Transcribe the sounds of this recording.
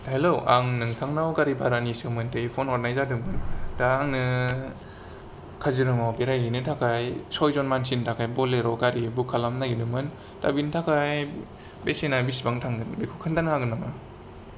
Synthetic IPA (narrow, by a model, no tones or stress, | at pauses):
heloʔaŋnɯŋtʰaŋnawɡaɾibaɾanisɯmɯntɯipʰɔnɔɾnajzaɾdɯmɯndaːŋnɯ | kʰaziɾɯmawpeɾajɦinɯtʰakʰajsɔjzɔnmansintʰakʰajbɔleɾɔɡaɾibukʰalamnaɡidɯmɯn | ta̰bintʰakʰaj | besinabisbaŋtʰaŋɡɯnbikʰukʰɯndanhaɡɯnama